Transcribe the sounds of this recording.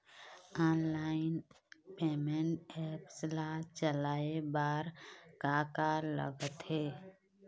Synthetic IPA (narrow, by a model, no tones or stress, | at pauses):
aːnlaːɪn | peːmẽɳʈɛːpslaːt͡ʃəlaːebaːɾkaːkalə̰ɡət̪ɦeː